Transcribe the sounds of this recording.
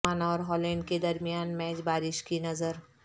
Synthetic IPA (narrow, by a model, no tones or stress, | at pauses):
aːnɔːɾɦɔːlɛ̃ːɳɖked̪ɐɾmijaːnmɛːt͡ʃbaːɾɪʃkinɐzəɾ